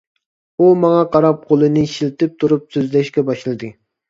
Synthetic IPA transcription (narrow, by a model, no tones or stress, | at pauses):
umɑŋɑqʰɑɾɑp̚qʰolˠɨnɨʃilt̪ɪp̚t̪ʰuɾupsøzlɛʃkʲɛbɑʃlˠɨd̪ɨ